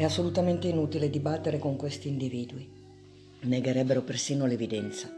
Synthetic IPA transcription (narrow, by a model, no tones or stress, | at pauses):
ɛasːolut̪ament̪einut̪iled̪ibat̪ːeɾekoŋkwest̪iːnd̪iviːd̪ui | neɡeɾɛbːeɾopersiːnolevid̪ɛnt̪sa